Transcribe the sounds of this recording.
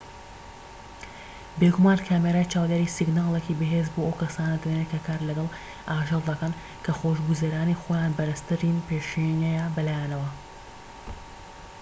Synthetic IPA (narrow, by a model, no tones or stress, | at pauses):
beɡumaːnkʰaːmeɾaːjt͡ʃaːwd̪eːɾisiɡnaːlˠekibɨɦeːzboɐwkɐsaːnɐd̪ɐdeːnekʰɐkʰaːɾlɐɡɐlˠ | ʔaːʒelˠd̪ɐkɐn | kʰɐxoʃɡuzɐɾaːnixoːjaːnbɐɾɨst̪ɨɾinpeʃenɛjabɐlaːjanɐwɐ